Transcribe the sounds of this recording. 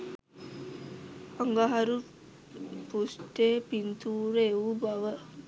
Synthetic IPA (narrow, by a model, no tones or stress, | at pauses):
aŋɡaɦaɾu | pusʈeːpint̪ʰuːɾeeubaʋə